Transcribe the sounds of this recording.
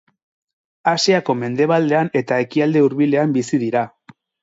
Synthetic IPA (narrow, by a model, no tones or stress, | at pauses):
asiako̞me̞nd̪e̞β̞ald̪e̞ane̞t̪ae̞kiald̪e̞uɾβile̞ambisiðiɾa